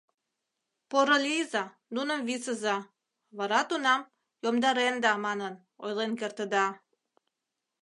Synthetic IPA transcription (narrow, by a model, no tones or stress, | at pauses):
poɾəlizɑ | nunəmβisəzɑ | βɑɾɑt̪unɑm | jomd̪ɑɾend̪ɑmɑnən | ojlenkert̪əd̪ɑ